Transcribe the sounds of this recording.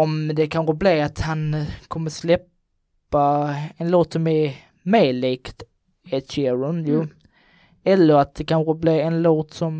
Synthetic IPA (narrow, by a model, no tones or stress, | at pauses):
ɔmd̪ɛkʰanɧobliːat̪hankʰɔmːəslɛpː | aɛnloːt̪sɔmæɾ | meːliːkt̪ | ɛt̪ɕeːɾʊnjuː | ɛlːəɾat̪̚d̪ɛkanɧobliːɛnloːt̪sɔm